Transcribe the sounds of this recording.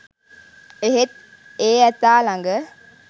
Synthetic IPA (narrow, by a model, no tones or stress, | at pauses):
eɦet̪̚ | eːɛt̪aːlaŋɡə